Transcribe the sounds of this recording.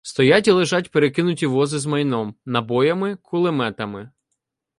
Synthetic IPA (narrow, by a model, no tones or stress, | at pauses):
st̪ɔjatʲilˠeɪʒɑtʲpeɾekɪnʊtʲiʋɔzɪzmɐjnɔmnɐbɔjɐmɪkʰʊlˠɪmɛt̪ɐmɪ